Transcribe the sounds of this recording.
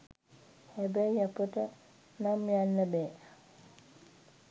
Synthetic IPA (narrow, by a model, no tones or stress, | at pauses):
hɛbajapəʈə | namjanːəbɛː